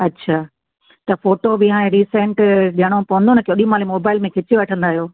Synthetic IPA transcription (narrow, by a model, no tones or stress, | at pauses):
ɐtːɕʰaː | t̪ɐfoːʈobɪɦãːẽɾiːsẽɳʈɗəɽ̃opɐʋə̃nd̪onɐkoːɗimaːlimoːbaːɪlmẽkʰɪt͡ɕiʋɐʈʰə̃nd̪aːɦijoː